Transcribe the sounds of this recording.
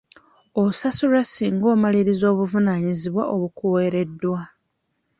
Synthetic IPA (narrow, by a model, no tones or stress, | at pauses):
o̞sasulasiːŋɡo̞ːmaliɾizo̞ːβuvunaɲiziβwaʔo̞βukuwe̞ːɾe̞dːwa